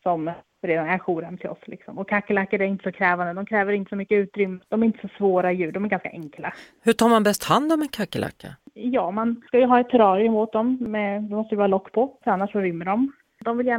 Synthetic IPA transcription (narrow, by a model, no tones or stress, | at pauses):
sɔm | ɾeːd̪anæɾɧuːɾɛmːt̪ʰɪlɔ̰slɪ̰ksɔ̰mɔkʰakːəlakːaɾæɾɪnt̪ə̥sɔkʰɾɛːvand̪əd̪ɔmkʰɾɛːvəɾɪnt̪ə̥sɔmʏkːəʉ̟ːt̪ɾʏmːəd̪̥ɔmæɾɪnt̪ə̥sɔsvoːɾaɪjʉ̟ːɖɔmæɾɡanska̰ʔɛŋkla | hɵʈʰɑːɾmanbɛst̪hand̪ɔmɛnkʰakːəlʔa̰kːa̰jɑːmanskajɵɦɑːɛt̪ʰːɛɾɑːɾɪɵmoːt̪̚d̪ɔmmɛd̪ɛmɔst̪əjvɑːɾalɔkːpʰɔfœɾanːaʂɔɾʏmːəɖɔm | d̪ɔmvɪljæːɳ